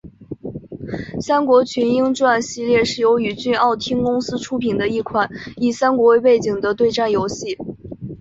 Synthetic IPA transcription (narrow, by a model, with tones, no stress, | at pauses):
sa˥nkwɔ˧˥t͡ɕʰy˧˥ni˥ŋʈ͡ʂwa˥˧nɕi˥˧ljɛ˥˧ʂɻ̩˥˩jo˧˥ʊy˨˩t͡ɕy˥˧ɑ˥˩ʊt̪ʰi˥ŋkʊ˥ŋsɹ̩˥ʈ͡ʂʰu˥pʰi˨˩nd̪ə˦i˥˩kʰwa˨˩˦ni˨˩sa˥nkwɔ˧˥we˥˧ɪpe˥˩ɪt͡ɕi˨˩ŋd̪ə˦t̪we˥˧ɪʈ͡ʂa˥˩njo˧˥ʊɕi˥˩